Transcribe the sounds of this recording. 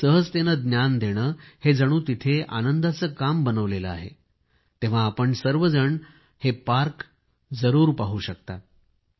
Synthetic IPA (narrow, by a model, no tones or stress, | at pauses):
səɦəd͡zt̪enəd̪njand̪ʱeɽ̃əːhed͡zəɽ̃uːt̪it̪ʰea̰nənd̪at͡səːkambənəʋlelə̰a̰ɦḛ | t̪ẽʋ̤aːpəɳsəɾʋəd͡zəɳ | hepaɾk | d͡zəɾuːɾpaɦuːɕək̚t̪at̪